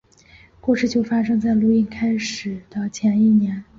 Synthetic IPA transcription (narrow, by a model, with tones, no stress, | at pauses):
kwɔ˥˧ʂɻ̩˥˩t͡ɕjo˥˩ʊfa˥ʂɤ˥ŋt͡sa˥˩ɪlu˥˧i˥˩nkʰa˥ɪʂɻ̩˨˩d̪̥ə˧t͡ɕʰjɛ˧˥ni˥˩njɛ˧˥n